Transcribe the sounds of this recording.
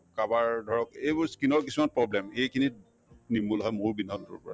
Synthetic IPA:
kabaɹdʱɔɹɔkejbʊɹskinɔɹk̬isumanpɹɔblɛmejkʰini | nimulɦɔjmʊɹbinɔntʊ̰ɹpɔɹa̰

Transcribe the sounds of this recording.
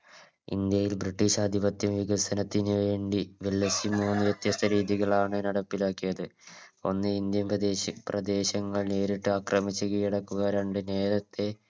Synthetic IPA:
ḭnd̪jɐjilbriʈːiɕaːd̪ʱiʋɐt̪jɐmʋiɣɐsɐnɐt̪ːinijeːɳɖiʋelːɐsimuːnːɨʋjet̪jɐst̪ʰɐɾiːðiɣɐɭaːɳɨnɐɽɐpːilaːkːijɐðɨ | o̞nːɨind̪jɐmprɐd̪e̞ːɕɐŋːɐɭneːɾiʈːɨaːkrɐmit͡ɕːuɣɐjiɽɐkːuɣɐɾeɳɖɨne̞ːɾɐt̪ːe̞

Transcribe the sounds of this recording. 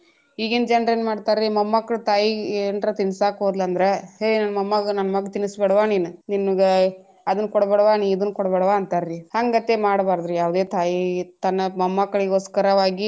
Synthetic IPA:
iːɡend͡ʒɐnɾeːnmaːɖt̪aːɾɾimɐmːɐkːɐɭt̪aːjienɾɐt̪insaːkɦoːd̪lɐnd̪ɐɾeɦenɐnːɐmɐmːɐɡnɐnːɐmɐɡɐt̪inusbɛɽɐʋaːniːnuninːuɡe | ɐd̪ɐnːkɔɽɐbɛɽʋaːniːd̪unːkɔɽbɛɽʋaːɐnt̪aɾːihɐŋɡɐt̪ːemaːɽbaːɾd̪ɾujaːʋd̪e̞ːt̪aːjit̪ɐnːɐmɐmːɐkːɐɭiɡoːskɐɾɐʋaːɡi

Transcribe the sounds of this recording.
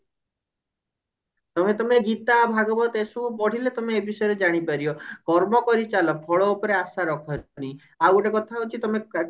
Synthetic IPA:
t̪ɔmet̪ɔmeɡit̪abʱaɡɔbɔt̪esɔbupɔɽ̤ilet̪ɔmeːbisɔjɾed͡ʒaɽ̃ipaɾiɔkɔɾmɔkɔɾit͡ʃalɔpʰɔɭɔupɔɾeasaɾɔkʰɔñi | awʈekɔt̪ʰaɦot͡ʃʰit̪ɔme

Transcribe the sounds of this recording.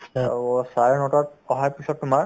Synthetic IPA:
saɹɛnɔtat̚ɔɦajpisɔtːʊmaɹ

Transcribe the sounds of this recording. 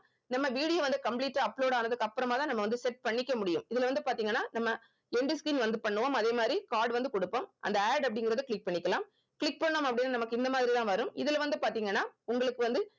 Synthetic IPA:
nɐmːɐʋiːɽɪjoːʋɐnd̪ɯkɐmpliːʈːaɐpːɭoːɽaːnɐðɯkːɐpːɯɾɐmaːt̪ãːnɐmːɐʋɐnd̪ɯsɛʈ̚pɐɳːɪkːɐmʊɽɪjɯmɪðɪlʋɐnd̪ɯpaːɾt̪iːŋɡɐnːaːnɐmːɐ | ɛɳɖɯskɾiːnʋɐnd̪ɯpɐɳːɯʋoːmɐðeːmaːd̪ɾikaːɾɖʋɐnd̪ɯkɔɽɯpːomʔɐ̰nd̪ɐaːɖɐpːɐɽɪŋɡɪɾɐðɯkɭɪk̚pɐɳːɪkːɐlãːm | kɪɭɪk̚pɐɳːoːmɐpːɐɽɪnːaːnɐmɐkːɯɪnd̪ɐmaːðɪɾit̪ãːʋɐɾɯmɪðɪlɐʋɐnd̪ɯpaːɾt̪iːŋɡɐnːaːʊŋɡɐɭɯkːɯʋɐnd̪ɯ

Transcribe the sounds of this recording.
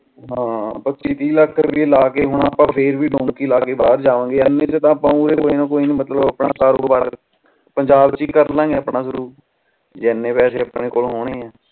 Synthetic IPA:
ɦãːpət͡ʃiːt̪iːləkʰːɾəpielaːkeːɦʊɳ̃aːpãːpʰeːɾʋiːɖõːŋkiːlaːkeːbaːɾd͡ʒaːʋãːɡeːɛnːẽːt͡ʃət̪ãːpãːuːɾeːkoːiːnãːkoːiːnĩːmət̪ləbəpnaːkaːɾoːɾbaːɾ | pəɲd͡ʒaːbt͡ʃiːkəɾlãːɡeːəpɳaːzəɾuːɾ | d͡ʒɛːnːeːpɛːseːəpneːkoːlɦoːɽ̃eːɛ̃ː

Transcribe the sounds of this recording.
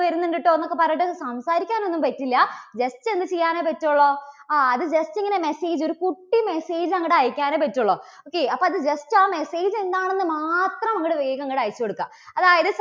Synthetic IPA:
ʋɐɾunːeɳɖiʈːɨonːo̞kːepɐrɐjiʈːɨsɐmsaːɾikʲːaːno̞nːumpɐtːilːɐd͡ʑeste̞nd̪ɨt͡ɕejːaːneːpɐtːuɭːoaːɐðɨd͡ʑestiŋːɐnemeseːd͡ʑo̞ɾukuʈːime̞seːd͡ʑɨɐŋːiɽaːjikʲːaːneːpɐtːuɭːo | oːkːeɐpːoɐðɨd͡ʑestɨaːme̞seːd͡ʑe̞nd̪aːɳe̞nːɨmaːt̪rɐmɐŋːiɽɨʋeːɣɐŋːiʈaːjit͡ɕːɐkoɽukːa̰m | ɐðaːjɐðɨs

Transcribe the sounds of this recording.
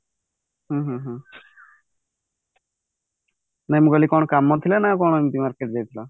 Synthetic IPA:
ɦũɦũɦũ | naĩmuɡalikɔɳ̃ɔkamːɔnt̪ʰilanakɔɽ̃ɔmit̪imaɾkeʈd͡ʒajt̪ʰila

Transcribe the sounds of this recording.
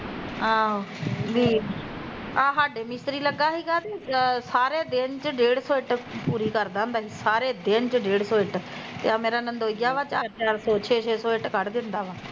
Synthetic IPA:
aːʋiː | ãːɦaːɖeːmɪst̪ɾiːləɡːaːɦiːɡaːt̪eːsaːɾeːd̪ent͡ʃɖeːɽsoːɪʈpuːɾiːkəɾd̪ãːnd̪aːɦiːsaːɾeːd̪ent͡ʃɖeːɽsoːɪʈt̪ḛːaːmeːɾaːnənd̪oːiɡaːʋaːt͡ʃaːɾt͡ʃaːɾsɔːt͡ʃʰeːt͡ʃʰeːsoːɪʈkəɽd̪ɪnd̪aːʋaː

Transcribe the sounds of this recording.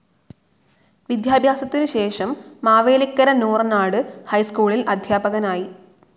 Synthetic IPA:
ʋid̪ʱjaːbʱjaːsɐt̪ːinɨɕe̞ːʂɐmːaːʋeːlikːɐɾɐnuːrnaːɽɨhɐjskuːɭilɐd̪ʱjaːbɐɣɐnaːji

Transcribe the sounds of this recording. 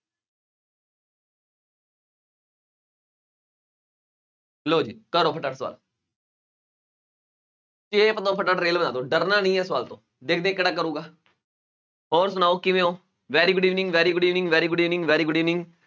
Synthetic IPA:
ɦəloːd͡ʒḭːkəɾoːpʰəʈəʈsʋa̰ːl | t͡ʃeːpət̪õːpʰəʈəʈɾeːlbənaːd̪õːɖəɾnaːnəĩːɦɛːsəʋaːlt̪õː | d̪eːkʰd̪ẽːkɪɽaːk̬əɾũːɡaː | ɔːɾsʊnaːoːkɪʋẽːoː | ʋɛːɾiːɡʊɖiːʋnɪ̃ŋɡʋɛːɾiːɡʊɖiːʋnɪ̃ŋɡʋɛːɾiːɡʊɖiːʋnɪ̃ŋɡʋɛːɾiːɡʊɖiːʋnɪ̃ŋɡ

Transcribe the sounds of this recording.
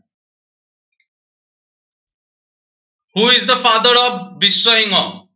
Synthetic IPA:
huɪzd̪əfad̪əɾɔvːisːəĩŋɔ

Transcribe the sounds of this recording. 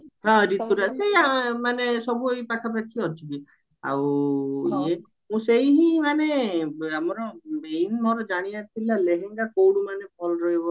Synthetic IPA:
ɦɔ̃ɾit̪uɾaseɦiamanesɔbuejpakʰapakʰiɔt͡ʃʰibi | a̰wie | mũseɦiɦĩmaneamɔɾɔmejnmɔɾɔd͡ʒaɽ̃iat̪ʰilaleɦeŋɡakowɽumanepʰɔlɾɔjbɔ

